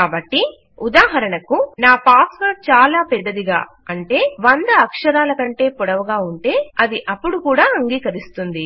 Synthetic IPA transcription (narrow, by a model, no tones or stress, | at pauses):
kkaːbɐʈːi | ud̪aːɦɐɾɐɳɐkunaːpaːsʋɐɾt͡ʃaːlaːpɛd̪ːɐd̪iɡa̰ː | ɐɳʈe̞ːʋɐnd̪ɐːkʂɐɾaːlɐkɐɳʈe̞ːpɔɽɐʋɐɡaːuɳʈe̞ːɐd̪iʔɐpːuɽukuːɽaːɐŋɡiːkɐɾist̪und̪i